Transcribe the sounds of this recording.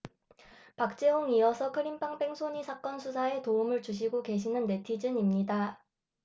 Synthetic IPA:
pak̚t͡ɕ͈eɦoŋiʌsʰʌkʰɯɾimpʰaŋpe̞ŋsʰoɲisʰak͈ʌnsʰusʰae̞toumɯɭt͡ɕuɕ̬ʰiɡoke̞ɕ̬ʰinɯnːe̞tʰid͡ʑɯnimɲida

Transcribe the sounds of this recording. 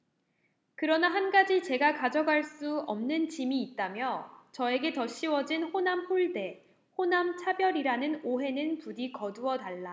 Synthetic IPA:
kɯɾʌnaɦanɡad͡ʑit͡ɕe̞ɡakad͡ʑʌɡaɭs͈uʌmnɯnt͡ɕimiːt̚t͈amjʌt͡ɕʌe̞ɡe̞tʌɕ͈iwʌd͡ʑinɸonamɸuɭde̞ | honamt͡ɕʰabjʌɾiɾanɯnoɦe̞nɯnpuɾikʌduʌtaɭːa

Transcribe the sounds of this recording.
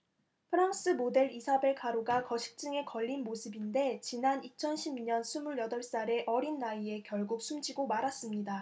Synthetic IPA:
pʰɯɾaŋs͈ɯmode̞ɾisʰabe̞ɭkʰaɾoɡakʌɕʰi̥k̚t͡ɕ͈ɯŋe̞kʌʎːinmosʰɯbinde̞t͡ɕinanit͡ɕʰʌnɕʰibiɲʌnsʰumuɭjʌdʌɭs͈aɾe̞ʔʌɾinːaie̞kjʌɭɡuk̚s͈ʰumd͡ʑiɡomaɾas͈ɯmɲida

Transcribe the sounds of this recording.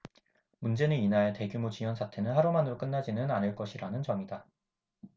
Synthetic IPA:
mund͡ʑe̞nɯninaɭete̞ɡjumot͡ɕiwʌnsʰatʰe̞nɯnhaɾomanɯɾok͈ɯnːad͡ʑinɯnanɯɭk͈ʌɕʰiɾanɯnt͡ɕʌŋida

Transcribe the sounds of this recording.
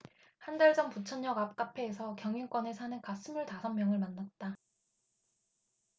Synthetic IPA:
handaɭd͡ʑʌmput͡ɕʰʌɲːʌɡap̚k͈apʰe̞ːsʰʌkjʌŋinkwʌne̞sʰanɯnkas͈ɯmjuɭtasʰʌmmjʌŋɯɭmanːat̚t͈a

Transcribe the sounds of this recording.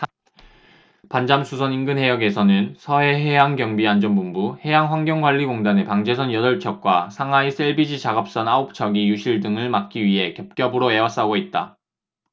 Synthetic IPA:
pand͡ʑamsʰusʰʌninɡɯnɦe̞jʌɡe̞sʰʌnɯnsʰʌe̞ɦe̞jaŋɡjʌŋbiand͡ʑʌnbumbuhe̞jaŋɸwaŋɡjʌŋɡwaʎːiɡoŋdane̞paŋd͡ʑe̞sʰʌnjʌdʌɭt͡ɕʰʌk̚k͈wasʰaŋais͈ʰe̞ɭbid͡ʑit͡ɕaɡʌp̚s͈ʌnaop̚t͡ɕʰʌɡijuɕʰiɭdɯŋɯɭmak̚k͈iɥiɦe̞kjʌp̚k͈jʌbɯɾoe̞was͈aɡoit̚t͈a

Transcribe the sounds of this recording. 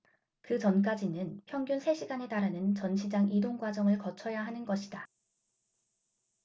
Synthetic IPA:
kɯt͡ɕʌnk̬͈ad͡ʑinɯnpʰjʌŋɡjunsʰe̞ɕʰiɡane̞taɾanɯnt͡ɕʌnɕʰid͡ʑaŋidoŋɡwad͡ʑʌŋɯɭkʌt͡ɕʰʌjaɦanɯnɡʌɕʰida

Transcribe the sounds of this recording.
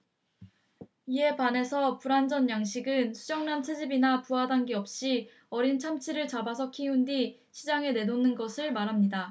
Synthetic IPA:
ie̞pane̞sʰʌpuɾand͡ʑʌnjaŋɕ̬ʰiɡɯnsʰud͡ʑʌŋnant͡ɕʰe̞d͡ʑibinapuɦadaŋɡiʌp̚ɕ͈i | ʌɾint͡ɕʰamt͡ɕʰiɾɯɭt͡ɕabasʰʌkʰiundi | ɕʰid͡ʑaŋe̞ne̞nonɯnɡʌsʰɯɭmaɾɦamɲida

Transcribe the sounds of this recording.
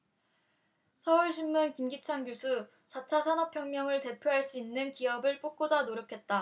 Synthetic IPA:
sʰʌuɭɕʰimːunkimɡit͡ɕʰaŋɡusʰu | t͡ɕʰat͡ɕʰasʰanʌpʰjʌŋmjʌŋɯɭte̞pʰjoɦaɭs͈uinːɯnkiʌbɯɭp͈ok̚k͈od͡ʑanoɾjʌkʰe̞t̚t͈a

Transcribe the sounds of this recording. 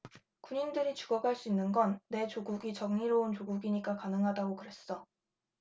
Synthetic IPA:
kuɲindɯɾit͡ɕu̥ɡʌɡaɭs͈uinːɯnɡʌnːe̞t͡ɕoɡuɡit͡ɕʌŋɲiɾount͡ɕoɡuɡiɲik͈akanɯŋɦadaɡokɯɾe̞s͈ʌ

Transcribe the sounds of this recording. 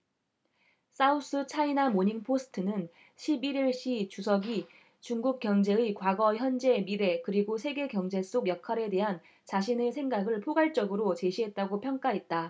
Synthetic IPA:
s͈aus͈ɯt͡ɕʰainamoɲiŋpʰosʰɯ̥tʰɯnɯn | ɕʰibiɾiɭɕ͈it͡ɕusʰʌɡi | t͡ɕuŋɡuk̚k͈jʌŋd͡ʑe̞ɯkwaɡʌçjʌnd͡ʑe̞miɾe̞kɯɾiɡosʰe̞ɡe̞kjʌŋd͡ʑe̞s͈oɡjʌkʰaɾe̞de̞ɦan | t͡ɕaɕ̬ʰinesʰeŋɡaɡɯɭpʰoɡaɭt͡ɕ͈ʌɡɯɾot͡ɕe̞ɕʰiɦe̞t̚t͈aɡopʰjʌŋk͈aɦe̞t̚t͈a

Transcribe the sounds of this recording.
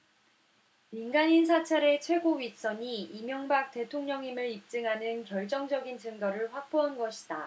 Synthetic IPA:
minɡaɲinsʰat͡ɕʰaɾe̞t͡ɕʰwe̞ɡoɥis͈ʌɲiimjʌŋbak̚te̞tʰoŋɲʌŋimɯɾip̚t͡ɕ͈ɯŋɦanɯnkjʌɭt͡ɕ͈ʌŋd͡ʑʌɡint͡ɕɯŋɡʌɾɯɭɸwak̚p͈oɦanɡʌɕʰi̥d̥a

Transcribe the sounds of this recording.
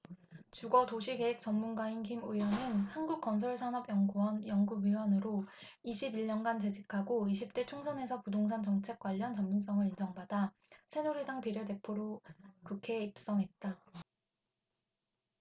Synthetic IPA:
t͡ɕuɡʌtoɕʰiɡe̞ɦek̚t͡ɕ͈ʌmmunɡainkimujwʌnɯnhanɡuk̚k͈ʌns̬ʰʌɭsʰanʌbjʌŋɡuʌnjʌŋɡuɡɥiwʌnɯɾo | iɕʰibiɭɲʌnɡant͡ɕe̞d͡ʑikʰaɡoiɕʰip̚t͈et͡ɕʰoŋsʰʌne̞sʰʌpudoŋsʰaŋt͡ɕʌŋt͡ɕʰe̞k̚k͈waʎːʌnt͡ɕʌmmːuns͈ʌŋɯɾind͡ʑʌŋbada | sʰe̞nuɾwe̞daŋpiɾode̞pʰoɾokukʰe̞ip̚s͈ʌŋɦe̞t̚t͈a

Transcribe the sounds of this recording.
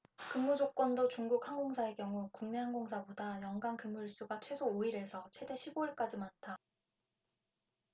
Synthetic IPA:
kɯŋːud͡ʑok͈̚wʌndot͡ɕuŋɡuk̚haŋɡoŋsʰae̞kjʌŋukuŋne̞ɦaŋɡoŋsʰabodajʌŋɡankɯmːuɭs͈uɡat͡ɕʰwe̞sʰooiɾe̞sʰʌt͡ɕʰwe̞de̞ɕʰiboiɭk͈ad͡ʑimantʰa

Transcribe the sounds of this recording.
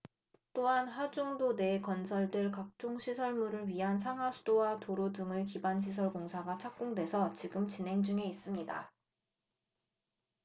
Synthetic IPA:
t͈oɦanɦad͡ʑuŋdone̞kʌnsʰʌɭdweɭkak̚t͡ɕ͈oŋɕʰisʰʌɭmuɾɯɭɥiɦansʰaŋɦwasʰudowatoɾodɯŋɯkibanɕ̬ʰis̬ʰʌɭkoŋsʰaɡat͡ɕʰak̚k͈oŋdwe̞sʰʌt͡ɕiɡɯmt͡ɕinɦe̞ŋd͡ʑuŋe̞is͈ɯmɲida̰

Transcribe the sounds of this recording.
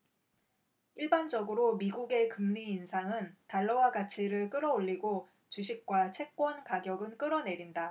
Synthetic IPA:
iɭband͡ʑʌɡɯɾomiɡuɡe̞kɯmɲiːnsʰaŋɯntaɭːʌwaɡat͡ɕʰiɾɯɭk͈ɯɾʌoʎːiɡo | t͡ɕuɕʰik̚k͈wat͡ɕʰe̞k̚k͈wʌnkaɡjʌɡɯnk͈ɯɾʌne̞ɾinda

